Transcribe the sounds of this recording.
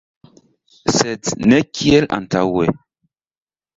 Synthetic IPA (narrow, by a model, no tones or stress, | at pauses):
sɛtnɛkʰiɛla̰ntawɛ